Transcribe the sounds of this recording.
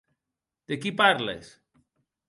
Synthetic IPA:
d̪̥ekipaɾlḛs

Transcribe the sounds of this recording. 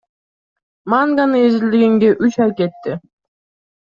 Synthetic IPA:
maŋɡanɯezɪld̪iɡeŋɡeʔyt͡ʃajket̪ːɪ

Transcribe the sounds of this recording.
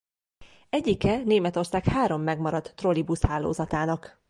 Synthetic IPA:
ɛɟːikɛneːmɛt̪o̞rsaːkhaːɾo̞mːɛɡmɒɾɒt̪ːro̞libushaːlo̰ːzɒt̪aːnɒk

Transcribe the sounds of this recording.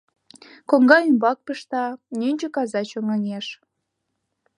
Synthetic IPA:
koŋɡɑymbɑk̚pəʃt̪ɑnynʲt͡ɕə̆kɑzɑt͡ɕoŋɑŋeʃ

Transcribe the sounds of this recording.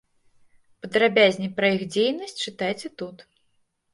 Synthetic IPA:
pɐd̪ɾabʲazʲnʲipɾɐixd͡zʲejnɐsʲt͡sʲt͡ʂɨt̪ajt͡sʲɛt̪ut̪

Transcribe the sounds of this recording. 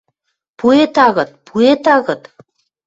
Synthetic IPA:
puet̪ɑɣɤ̆t̪̚pʰuet̪ɑɣɤ̆t̪

